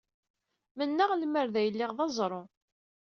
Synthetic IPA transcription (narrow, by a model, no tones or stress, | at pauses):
mənːəʁlməɾðæjəlːɪʁðɑzˤɾˤo